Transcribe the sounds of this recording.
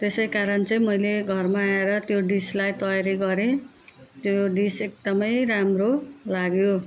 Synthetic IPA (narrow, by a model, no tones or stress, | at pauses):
t̪esʌjkaɾʌnt͡sʌĩmʌjleɡʱʌrmaːeɾʌt̪joɖislajt̪ʌjaɾiɡʌɾe | t̪joɖisek̚d̪ʌmʌjɾamrolaɡjo